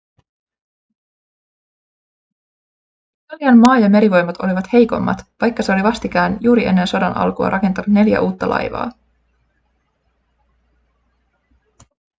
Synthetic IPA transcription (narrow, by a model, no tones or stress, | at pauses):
t̪ɑljɑnmɑːjɑme̞ɾiʋo̞jmːɑt̪o̞̰liʋɑt̪he̞jko̞̰mːɑ̰t̪ʋɑjkːɑse̞o̞liʋɑst̪ikæːnjuːɾiʔe̞̰nːe̞nso̞dɑnʔɑ̰lkuɑ̰ɾɑke̞nt̪ɑnut̪ne̞ljæ̰ʔuːt̪ːɑlʔɑ̰jʋɑ̰ː